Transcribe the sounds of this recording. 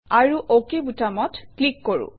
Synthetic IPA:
aɹuʔokebutamɔtklikːoɹṵ̃

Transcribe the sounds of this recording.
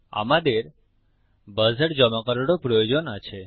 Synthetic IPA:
a̰mad̪eɾ | bəzəʈd͡ʒəmakəɾoɽopɾɔjod͡ʒonat͡ʃʰe

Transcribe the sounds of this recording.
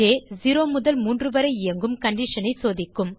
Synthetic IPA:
eːziːɾoːmʊðɐlmuːndrɯʋɐɾɐɪɐŋɡɯmkɐɳɖiʂɐnɐɪsoːðɪkːɯm

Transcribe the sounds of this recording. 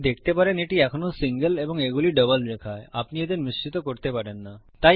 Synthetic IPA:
d̪ekʰt̪epaɾeneʈiɛkʰonosiŋɡəleboŋeɡuliɖəbəld̪ekʰaeapnied̪eɾmist͡ɕit̪okoɾt̪epaɾenːa | t̪a

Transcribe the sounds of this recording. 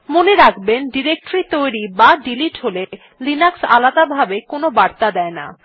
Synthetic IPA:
moneɾakʰbenɖiɾek̚ʈoɾit̪ojɾibaɖiliʈɦole | linaksa̰lad̪abʱabekonobaɾt̪ad̪ɛena̰

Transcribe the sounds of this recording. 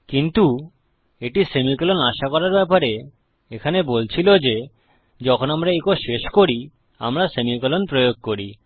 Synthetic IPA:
kint̪u | eʈisemikolonaʃakɔɾaɾbɛpaɾe | ekʰanebolt͡ɕʰilod͡ʑe | d͡ʑɔkʰonamɾaekoʃeʃkoɾi | a̰mɾasemikolonpɾojoɡ̚koɾi

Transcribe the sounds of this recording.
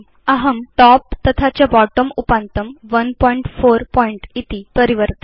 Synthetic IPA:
əɦəmʈɔp̚t̪ət̪ʰat͡ɕjabɔʈəmupant̪əmʋənpɔiɳʈfoɾpɔiɳʈit̪ipəɾiʋəɾt̪

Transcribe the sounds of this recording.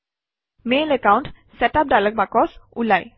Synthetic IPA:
melekawnʈ | sɛtap̚dalək̚bakɔsulaj

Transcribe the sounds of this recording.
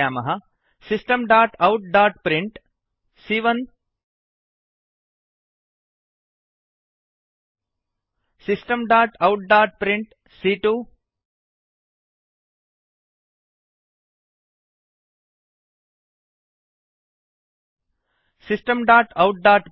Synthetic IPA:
aːmɐɦɐ | sisʈɐmɖaːʈɐwʈ̚ɖaːʈpɾiɳʈ | siːʋɐn | sisʈɐmɖaːʈɐwʈ̚ɖaːʈ̚pɾiɳʈ | siʈu | sisʈɐmɖaːʈɐwʈ̚ɖaːʈ

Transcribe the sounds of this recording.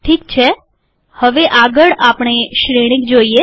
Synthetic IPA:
ʈʰiːkt͡ʃʰe | həʋeʔaɡəɭapɳ̃eʃɾeɽ̃ik̚d͡ʒoie

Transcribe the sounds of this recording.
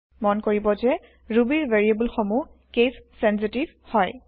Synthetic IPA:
mɔnkoɹibɔzɛ | ɹubiɹveɹiebulxomukessɛns̬itiv | hɔj

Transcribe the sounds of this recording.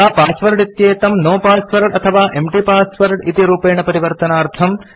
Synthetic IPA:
aːpaːsʋɐɾɖit̪jeːt̪ɐmnoːpaːsʋɐɾɖɐt̪ʰɐʋaːʔemʈipaːsʋɐɾɖit̪iɾuːpeːɳɐpɐɾiʋɐɾt̪ɐnaːɾt̪ʰɐm

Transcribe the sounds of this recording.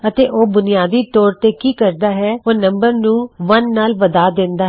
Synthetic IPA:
ət̪eːʔoːbʊnɪjaːd̪iːʈoːɾt̪eːkiːkəɾd̪aːɦɛːoːnəmbəɾnũːʋənːaːlʋəd̪aːd̪ɪnd̪aː

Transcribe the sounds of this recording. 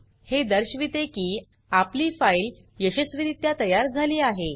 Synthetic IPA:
hed̪əɾɕʋit̪ekiː | apliːfail | jəɕəsʋiɾit̪jat̪əjaɾd͡zʱaliːaɦe

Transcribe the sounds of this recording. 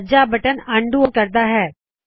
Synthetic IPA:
d͡ʒabəʈənə̃ɳɖuokəɾd̪aɦɛː

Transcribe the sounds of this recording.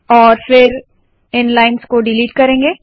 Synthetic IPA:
ɔːɾfɪɾ | ɪnlaːɪnskoɖɪliːʈkɐɾẽːŋɡeː

